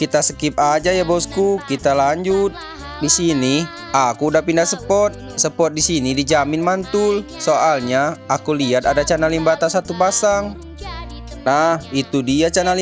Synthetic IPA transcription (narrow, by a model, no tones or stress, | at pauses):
kit̪asəkip̚ad͡ʒajabɔskukit̪alaɲd͡ʒut̪̚ | disini | akudapindasəpɔt̪̚səpɔt̪̚disinidid͡ʒamɪnmant̪ʊlsoʔalɲaakuliat̪adat͡ʃanalimbat̪asat̪upasaŋ | nahit̪udiat͡ʃanali